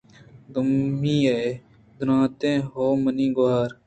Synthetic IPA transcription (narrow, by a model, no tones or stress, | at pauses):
d̪ʊmːĩːee | d̪ʊnãːt̪ẽːɦoːmənĩːɡʊaːɾ